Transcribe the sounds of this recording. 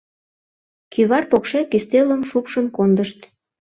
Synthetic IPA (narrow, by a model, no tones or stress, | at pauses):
kʰiβɑrpokʃækyst̪eləmʃupʃənkond̪əʃt̪